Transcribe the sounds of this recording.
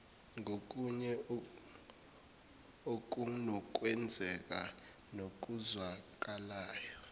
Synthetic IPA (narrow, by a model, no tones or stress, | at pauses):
ŋʱok̬ʼuɲɛ | ok̬ʼunɔk̬ʼwɛnd͡zʱɛk̬ʼa | nok̬ʼuzwak̬ʼalaːjɔ